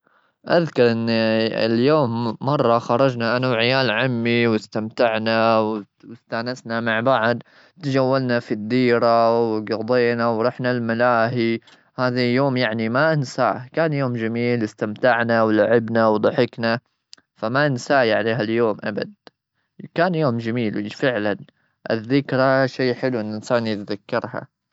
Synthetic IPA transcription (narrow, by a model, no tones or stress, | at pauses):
ʔaðkɑɾˤʔɪnːɪ̰ljoːmːɑrˤːɑxɑɾˤɑd͡ʒnaʔanawʕɪjaːlʕamːiwɪst̪amt̪aʕnaw | wɪst̪aːnasnamaʕbaʕd̪ | t̪d͡ʒawːalnafid̪ːiːɾawɡɑd̪ˤeːnawɾˤɑːħnalmalaːɦi | haːðajoːmjaʕnimaʔɪnsaːkaːnjoːmd͡ʒamiːlɪst̪amt̪aʕnawlaʕɪbnawd̪ˤɑħɪkna | famaʔɪnsaːjaʕleːɦaljoːmʔaba̰d̪̚ | kaːnjoːmd͡ʒamiːlwfɪʕlan | ʔɪ̰ðːɪkɾˤaʃeːħɪluʔɪnːʔɪnsaːnjɪt̪ðakːɑɾˤha̰